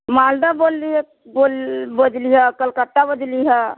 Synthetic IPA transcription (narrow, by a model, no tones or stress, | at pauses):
maːld̪aboːlːiɦ | bolbəd̪liɦɛkəlkət̪ːabəd̪liɦɛ